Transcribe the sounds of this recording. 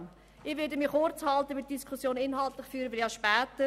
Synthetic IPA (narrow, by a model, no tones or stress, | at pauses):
ɪχʋɪdəmiχoɾt͡shɑltəʋɪt̚d̥iskʰusjoːnɪnɦɑltlɪχfyːɾəʋɪjɑʃpɛːtə